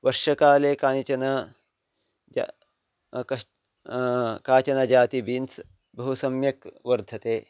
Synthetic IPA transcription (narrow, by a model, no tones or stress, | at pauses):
ʋɐɾʃɐkaːleːkaːnit͡ʃɐnɐ | kɐ | kaːt͡ʃɐnɐd͡ʒaːt̪ibiːnt͡s | bɐɦusɐmjɐkʋɐɾd̪ʱɐt̪eː